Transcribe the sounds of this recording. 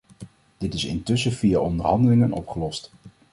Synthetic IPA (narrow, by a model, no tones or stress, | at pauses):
d̥ɪtɪsɪ̰ntɵsəv̥ijaʔɔndərɦɑndəlɪŋənɔ̰pχəlɔst